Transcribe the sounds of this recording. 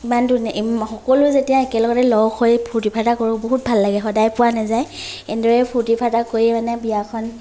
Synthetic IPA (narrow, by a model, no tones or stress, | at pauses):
imandunixɔkɔlʊzetijaekɛlɔɡɔtɛlɔwxʰojpʰutipʰatakoɹʊboɦut̚bʱalːaɡɛxɔdajpʊwanazajendɔɹɛpʰutipʰatakoɹjɛmanɛbijakʰɔn